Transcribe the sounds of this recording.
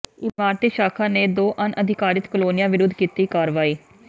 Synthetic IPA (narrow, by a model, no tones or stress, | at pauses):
ɪmaːɾt̪iːʃaːkʰaːneːd̪oːʔənʔəd̪ʱɪkaːɾɪt̪kəloːnɪjãːʋɪɾʊd̪ʱkiːt̪iːkaːɾʋaːiː